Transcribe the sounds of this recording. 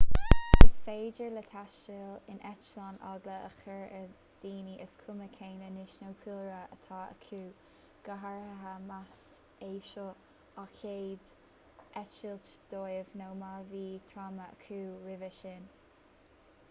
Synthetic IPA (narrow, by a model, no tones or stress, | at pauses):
əsfeːd͡ʒəɹlət̪ʰaʃt͡ʃəlɪnʔɛt͡ʃlana̰ɡləʔəxɛɹə | d̪̥iːniʔəskʰʊməkʰeːnənɪʃnowkʰuːɾəə̰t̪ʰaːə̰kʰuː | ɡ̥əɦaɹəɦamas | eːʃɔ | akʰeːd̪ | ʔɛt͡ʃɪltd̪̥oːjɪvnowmaviːt̪ʰɾaːməə̰kʰuːɹɪvəʃɪn